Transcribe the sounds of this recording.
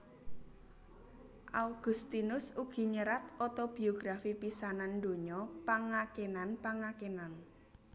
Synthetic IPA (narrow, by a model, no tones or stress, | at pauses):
ʔalɡ̥ʊ̤st̪inʊsuɡ̥i̤ɲəɾat̪ɔt̪ob̥i̤oɡ̥ɾafipisanand̪o̤ɲɔpaŋakenanpaŋakenan